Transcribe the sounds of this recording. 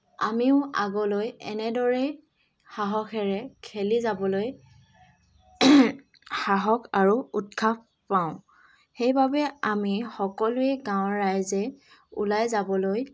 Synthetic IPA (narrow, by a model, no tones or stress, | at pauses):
a̰miʊaɡɔlojɛ̰nɛdɔɹɛ | xaɦɔkʰɛɹɛkʰelizabɔloj | xaɦɔkʰaɹuut̚kʰap | paʊ̃ | xejbabɛamixɔkɔlʊɛɡãwɹajzɛ | ṵlajzabɔloj